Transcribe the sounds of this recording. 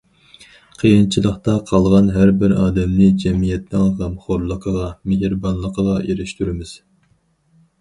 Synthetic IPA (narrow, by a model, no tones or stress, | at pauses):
qʰijɨnt͡ʃʰilˠəχt̪ɑqʰɑlˠʁɑnɦæɾbɪɾɑːd̪ɛmnɪd͡ʒɛmijɛt̪̚nɪŋɦɛmχoɾlˠəqʰəʁɑmeɦɾbɑnlˠəqʰəʁɑeɾɪʃt̪yɾɪmɪz̥